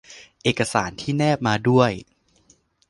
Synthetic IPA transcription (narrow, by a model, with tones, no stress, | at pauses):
ʔeː˨˩ka˧saː˩˦nt̪ʰiː˥˩nɛː˥˩p̚maː˧du˥˩əj